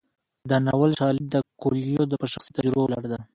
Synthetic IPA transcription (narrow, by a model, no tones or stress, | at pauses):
d̪ənawalʃɑlɪb̚d̪əkoljod̪əpəʃaxsit̪ad͡ʒɾʊbawlaɽed̪a